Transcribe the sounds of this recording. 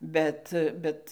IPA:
ˈbʲɛt ˈbʲɛt

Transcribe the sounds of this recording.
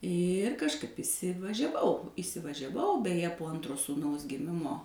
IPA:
ɪr kɐʃˈkɐɪp iːsʲɪʋɐʒʲɛˈʋɐʊ iːsʲɪʋɐʒʲɛˈʋɐʊ bʲɛˈjɛ poː ˈɐntroː suːˈnɐʊs ɡʲɪˈmʲɪmoː

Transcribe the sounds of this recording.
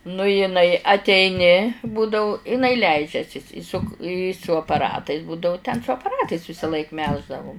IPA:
nʊ jɪˈnɐɪ ɐtʲɛɪˈnʲɪ ˈbuːdɐʊ ɪˈnɐɪ ˈlʲɛɪd͡ʒʲɛsʲɪs ɪ sʊk ɪ sʊ ɐpɐˈrɑːtɐɪs ˈbuːdɐʊ tʲɛn sʊ ɐpɐˈrɑːtɐɪs ʋʲɪsɐˈlˠɐɪk ˈmʲɛlˠʒdɐʋʊm

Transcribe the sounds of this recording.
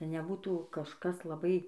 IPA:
nʲɛˈbuːtuː kɐʃˈkɐs lˠɐˈbɐɪ

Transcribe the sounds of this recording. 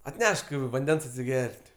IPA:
ɐtʲˈnʲɛʃk ʋɐnʲˈdʲɛns ɐtʲsʲɪˈɡʲɛrʲtʲ

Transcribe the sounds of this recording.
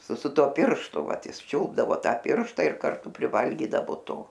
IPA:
sʊ sʊ ˈtuɔ ˈpʲɪrʃtʊ ˈʋɐt ˈjɪs ˈt͡ʃʲʊlˠbdɐʋoː ˈtɑː ˈpʲɪrʃtɐ ɪr kɐrˈtʊ pʲrʲɪˈʋɐlʲɡʲiːdɐʋoː ˈtoː

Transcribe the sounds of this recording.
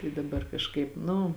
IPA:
ɪ dɐˈbɐr kɐʃˈkɐɪp ˈnʊ

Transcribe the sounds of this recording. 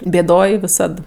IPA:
bʲeːˈdoːj ʋʲɪˈsɐt

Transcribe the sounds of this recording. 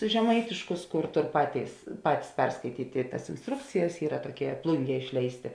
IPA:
ʒʲɛˈmɐɪtʲɪʃkʊs ˈkʊr ˈtoːr ˈpɑːtʲeːɪs ˈpɑːtʲɪs ˈpʲɛrskɐɪtʲiːtʲ ɪ tɐs ɪnsˈtrʊkt͡sʲɪjɛs ˈiːrɐ toːˈkʲiɛ ˈplˠʊŋʲˌɡʲiɛ ˈɪʃʲlʲɛɪsʲˌtʲeː

